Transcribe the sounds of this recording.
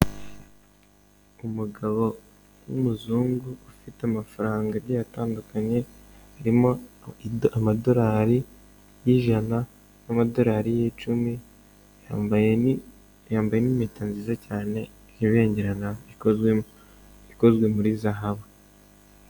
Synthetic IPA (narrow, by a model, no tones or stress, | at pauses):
umuɡaβo̞ | wumuzuːŋɡuufiteamafaɾaːŋɡaɾɟajataːndukaɲe̞ | haɾimo | amado̞ɾaːɾi | jiʒana | namado̞ɾaːɾijit͡ʃumi | jamb | jaːmbaje̞nimiːtanzizacaːne̞ | iβe̞ːɲɟeɾanai | iko̞zɡwe̞muɾizaɦaβa